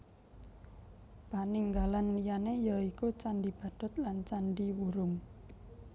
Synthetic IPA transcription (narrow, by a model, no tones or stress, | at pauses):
b̥aniŋɡalanlijanejaikut͡ʃanɖib̥a̤d̪̥ɔ̤t̪̚lant͡ʃanɖiwuɾʊŋ